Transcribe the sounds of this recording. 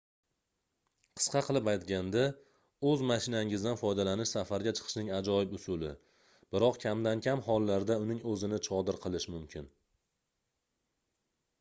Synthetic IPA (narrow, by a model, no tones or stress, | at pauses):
qʰɨ̥sqɑqʰɨlˠɪpajt̪ɡʲand̪a | ɵzmaʃɪnaɪŋɪzd̪anfɒjd̪alanɪʃsafaɾɡʲat͡ʃʰɨ̥qʰɨ̥ʃnɪŋad͡ʒɒɪpʊsʊlɪ̰ | b̥ɪɾɒqkʲʰamd̪ankʲʰamɦɒlˠːaɾd̪aʊnɪŋɵzɪnɪt͡ʃʰɒd̪ɪɾqʰɨlˠɪʃmʊmkʲʰɪn